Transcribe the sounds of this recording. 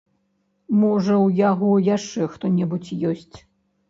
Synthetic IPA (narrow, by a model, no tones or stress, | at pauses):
mɔʐɐwjaɣɔjaʂt͡ʂɛxt̪ɔnʲɛbut͡sʲjɔsʲt͡sʲ